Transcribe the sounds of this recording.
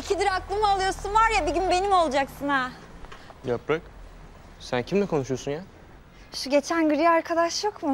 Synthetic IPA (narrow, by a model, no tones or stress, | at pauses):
icʰid̪iɾaklˠɯmɯalˠɯjosunvaɾjabiɟynbe̞nimo̞lˠd͡ʒaksɯna | japɾak | sæncʰimlɛkʰo̞nuʃujosunja | ʃuɟe̞t͡ʃʰænɡɯɾaɾkʰad̪aʃjo̞kmu